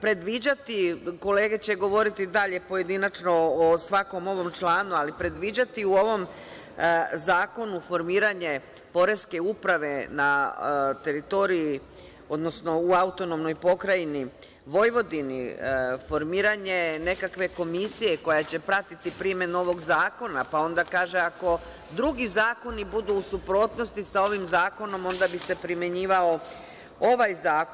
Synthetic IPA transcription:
pɾe̞d̪ʋid͡ʑat̪iko̞le̞ːɡe̞t͡ɕe̞ɡo̞ʋo̞ɾit̪id̪aʎe̞po̞je̞d̪inat͡ʃno̞osʋako̞mo̞ʋo̞mt͡ʃlaːnualipɾe̞d̪ʋid͡ʑat̪iuo̞ʋo̞m | zaːko̞nufo̞ɾmiːɾaɲe̞ | po̞ɾe̞ske̞upɾaʋe̞nat̪e̞ɾit̪o̞ɾiji | o̞d̪no̞sno̞uaut̪o̞nomno̞jpo̞kɾajini | ʋo̞jʋo̞d̪inḭfo̞ɾmiːɾaɲe̞ne̞kakʋe̞ko̞misije̞ko̞jat͡ɕe̞pɾat̪it̪ipɾime̞no̞ʋo̞ɡzaːko̞napao̞nd̪akaːʒe̞ako̞ | d̪ɾuɡizaːko̞nibud̪uːsupɾo̞ːt̪nost̪isao̞ʋimzaːko̞no̞mo̞nd̪abise̞pɾime̞ɲiːʋao̞ | o̞ʋajzaːk

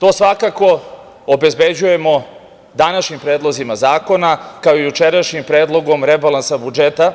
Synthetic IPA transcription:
t̪o̞ːsʋakako̞ | obezbed͡ʑuje̞mo̞ | d̪anaʃɲimpɾeːd̪lˠozimazaːko̞nakaojut͡ʃeɾaʃɲimpɾeːd̪lˠo̞ɡo̞mɾebalˠansabud͡ʒet̪a

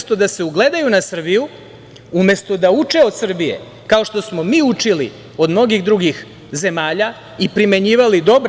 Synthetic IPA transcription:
st̪o̞d̪ase̞uɡle̞d̪ajunasr̩biju | ume̞st̪o̞d̪aut͡ʂeo̞d̪sr̩bije̞̰ | kao̞ʃt̪o̞smo̞miːut͡ʂilḭ | o̞d̪mno̞ɡiɣd̪ɾuɡix | ze̞maːʎa | ipɾime̞ɲiːʋalid̪o̞b

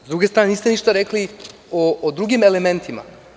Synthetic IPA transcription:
zd̪ɾuɡest̪ɾaːnenist̪eniʃt̪aɾekli | oːd̪ɾuɡimeleme̞nt̪ʰima̰

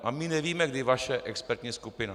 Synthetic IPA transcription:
ʔamɪnɛviːmɛɡdɪvaʃɛʔɛkspɛɾt̪ɲiːskupɪna

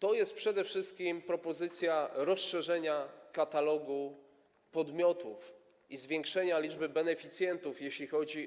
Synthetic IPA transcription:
t̪ɔjɛst̪̚pʂɛd̪ɛfʂɘst̪̚kʲimpɾɔpɔzɘt̪sʲjaɾɔsʂɛʐɛɲakat̪alɔɡu | pɔd̪mʲjɔt̪uf | izvʲjeŋkʂɛɲalʲid͡ʐbɘbɛnɛfʲit̪sʲjɛnt̪ufjeɕlʲixɔd͡ʑi

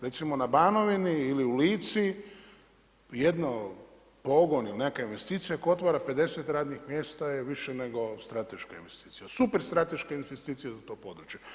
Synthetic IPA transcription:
ɾe̞t̪simo̞nabaːno̞ʋiniiliuliːt̪si | jed̪no | po̞ɡonilnekainʋe̞st̪iːt̪sijakoot̪ʋaːɾape̞d̪e̞set̪ɾaːd̪nixmjeːst̪ajeʋiʃene̞ɡo̞st̪ɾat̪e̞ʃkaḭnʋest̪iːt̪sijasupeɾst̪ɾat̪e̞ʃkainest̪iːt̪sijazat̪o̞ːpo̞d̪ɾut͡ʃje

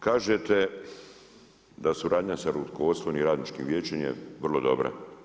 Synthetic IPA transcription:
kaːʒet̪e | d̪asuɾaːd̪ɲasaɾut̪koot̪slˠoʋniɾaːd̪nit͡ʃkimʋjeːt͡ʃemjḛʋrlˠo̞d̪o̞̰bɾa̰

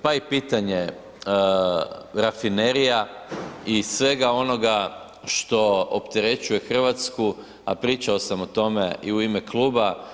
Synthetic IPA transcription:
paipiːt̪aɲe | ɾafineɾija | isʋe̞ɡao̞no̞ɡa | ʃt̪o̞opt̪e̞ɾe̞t͡ʃuje̞xr̩ʋat̪sku | a̰pɾiːt͡ʃao̞samot̪o̞me̞iuime̞klˠuːba

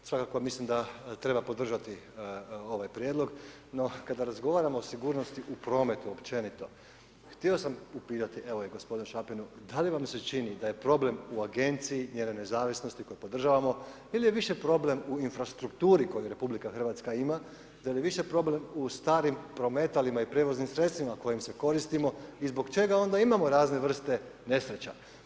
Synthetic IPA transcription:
sʋakakomislimd̪at̪ɾe̞bapo̞d̪r̩ʒat̪i | o̞ʋajpɾjed̪lˠo̞ɡ | no̞kad̪aɾazɡo̞ʋaːɾamoosiɡuːɾno̞st̪iʔupɾo̞me̞t̪uopt͡ʃe̞nit̪o̞̰ | xt̪io̞samupiːt̪at̪iʔe̞ʋoeɡo̞spo̞d̪inuʃapinud̪aliʋamset͡ʃinid̪aje̞pɾo̞ble̞muaɡe̞nt̪siiɲeːnojne̞zaːʋisno̞st̪iko̞jepo̞d̪r̩ʒaːʋamo̞ | ilije̞ʋiʃe̞pɾo̞ble̞muinfɾast̪ɾukt̪uːɾiko̞juɾe̞publikaxr̩ʋaːt̪skaima | d̪alieʋiʃe̞pɾo̞ble̞must̪aːɾimpɾo̞me̞t̪alimaipɾe̞ʋoznimsɾet̪st̪ʋimako̞jimse̞ko̞ɾist̪imo̞izbo̞kt͡ʃe̞ɡao̞nd̪aimamo̞ɾaːzne̞ʋr̩st̪e̞ne̞sɾe̞t͡ɕa̰

